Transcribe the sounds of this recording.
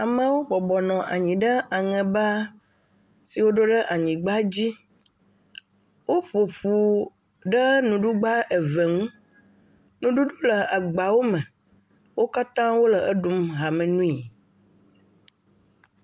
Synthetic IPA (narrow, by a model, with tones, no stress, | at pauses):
a˨mə̃˦wo˦bɔ˨bɔ˨nɔ̃˨ʔa̰˨ɲĩ˨ɖə˦a˨ŋɛ̃˨ba˦ | si˨wo˦ɖo˦ɖə˦ʔa˨ɲĩ˨ɡ͡ba˦d͡ʑi˦ | wo˦ɸo˨ɸu˨ | ɖə˦nũ˨ɖu˦ɡ͡ba˦e˨ve˨ŋũ˦ | nũ˦ɖu˦ɖo˦lə˨a˨ɡ͡ba˨wo˦mɛ̃˨ | wo˦ka˦t̪ã˦wo˦lə˨ʔə˦ɖu˦mɦa˨mɛ̃˨nũ˦i˨